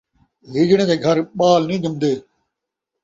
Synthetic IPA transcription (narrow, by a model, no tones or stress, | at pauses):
ɦiːd͡ʒɳẽːd̪eːɡʱəɾɓaːlnĩːd͡ʒəmd̪eː